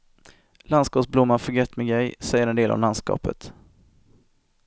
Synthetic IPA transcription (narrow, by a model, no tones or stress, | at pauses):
lanskɑːpsblʊmːafœɡɛt̪mɪɡɛjsɛjːəɾɛnd̪eːla̰vlanskɑ̰ːpə̰t̪